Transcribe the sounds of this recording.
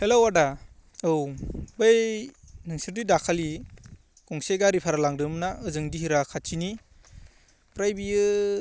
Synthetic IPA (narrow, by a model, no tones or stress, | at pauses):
helowada | ɯwbɯj | nɯŋsɯɾdidakʰali | kɔŋseɡaɾipʰaɾalaŋɾɯmnaɯzɯŋdiɦiɾakʰat͡ʃʰini | pɾajbiɯ